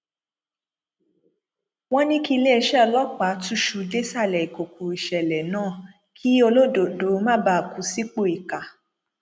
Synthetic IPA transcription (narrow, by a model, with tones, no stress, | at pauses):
w̃ɔ̃˦nĩ˦ki˦˧le˦ɛ˧ʃɛ˦ɔ˧lɔ˦k͡pa˨˦tu˦ʃu˨de˦sa˦˨lɛ˨i˨ko˨ko˨i˨ʃɛ˨lɛ˨nãː˦˨ | kʰi˦o˧lo˦do˨do˨˦˧mã˦ba˦˨ku˨˦si˦k͡po˦˨i˨ka˨